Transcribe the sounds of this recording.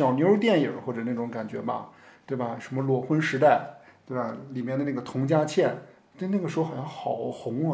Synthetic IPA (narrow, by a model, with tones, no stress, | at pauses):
ɕjɑ˨˩ʊmjo˧˥ɻu˥t̪jɛ˥˩njə˨˩˦xwɔ˥˩ʈ͡ʂɤ˨˩na˥˩ʈ͡ʂʊ˧˥ŋka˨˩nt͡ɕɥɛ̰˧˥bɐ̰˧t̪we˥˩ɪbɐ˩ʂə˧˥mə˧lwɔ˨˩xwə˥nʂɻ̩˧˥t̪a˥˩ɪt̪we˥˩ɪbɐ˩li˨˩mjɛ˥˧nd̪ə˧na˥˩ɡə˩t̪ʰʊ˧˥ŋt͡ɕja˥t͡ɕʰjɛ˥˩n | t̪we˥˧ɪna˥˩ɡə˩ʂɻ̩˧˥xo˧˩xjɑ˥˧ŋxɑ˨˩ʊxʊ˧˥ŋ˧